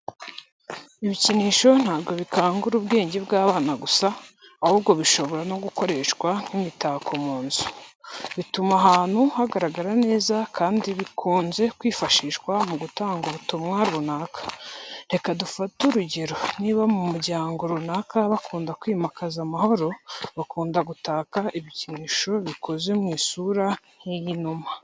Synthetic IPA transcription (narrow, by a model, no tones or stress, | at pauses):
iβiciniːʃo̞n̥haːbɡo̞βikaːŋɡuɾubɡe̞ːɲɟe̞bɡaːβaːnaɡusaː | hubɡo̞βiʃo̞βo̞ɾano̞ɡuko̞ɾe̞ʃkwan̥imitaːkʰo̞muːnzu̥βitumaɦaːn̥huhaɡaɾaɡaɾane̞ːzakʰaːndiβikʰuːnze̞kwiːfaʃiːʃwamuɡutaːŋɡuβutumŋaɾunakḁɾe̞kadufatuɾuɟeɾo̞niβamumuɾɟaːŋɡo̞ɾunakaβakʰuːndakwiːmakazamaho̞ɾo̞βakuːndaɡutaːkaiβiciniʃo̞βikʰo̞ze̞mŋiːsuɾanjejinuma